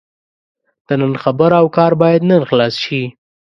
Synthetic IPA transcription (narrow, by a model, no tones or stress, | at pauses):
d̪̥ənənxabəɾawkɑɾbɑjad̪nənxlɑsʃi